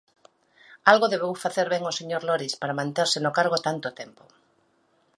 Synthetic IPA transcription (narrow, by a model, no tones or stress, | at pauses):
alɣoðeβowfaθeɾβeŋoseɲoɾloɾispaɾamãnt̪eɾsɪnokaɾɣ̞ot̪ant̪ot̪empo